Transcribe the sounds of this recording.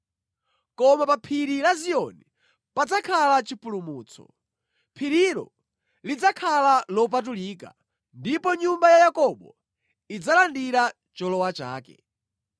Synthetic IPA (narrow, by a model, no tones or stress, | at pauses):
kɔmapapʰiɾiɾaziɔni | pad͡zakʰalat͡ʃipulumuːt͡sʰɔ̰ | pʰiɾiɾɔ̰ | lid͡zakʰalalɔp̬at̬uliːka̰ | ndipɔɲumbajajakɔɓɔ | id͡zalandiɾa | t͡ʃɔlɔwat͡ʃa̰ːkɛ̰